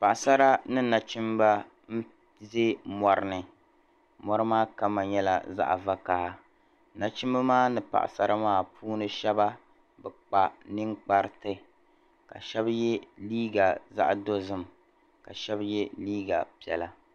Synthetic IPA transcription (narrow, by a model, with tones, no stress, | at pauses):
pa˨ʔa˨sa˦ɾa˦nɨ˦na˨t͡ʃi˦m˦ba˦ | m̩˦ | ze˦mɔ˨ɾɨ˦nɨ˨ | mɔ˦ɾɨ˦maː˦ka˦ma˨ɲɛ˦la̰˨za̰˦ʔva˦ka˨ha˦ | na˨t͡ʃi˦m˦ba˦maː˦nɨ˨pa̰˨ʔa̰˨sa˦ɾa˦maː˦pʰuː˦nɨ˨ʃɛ˦ba˦ | bɛ˨k͡pa˨nɨ˦ŋk͡pa˦ɾɨ˦tɨ˦ | ka̰˨ʃɛ˦bjɛ˦liː˦ɡa˨za̰˦ʔdo˦zɨ˦m | ka˨ʃɛ˦bjɛ˦liː˦ɡa˨pi˨ɛ̰˨la˨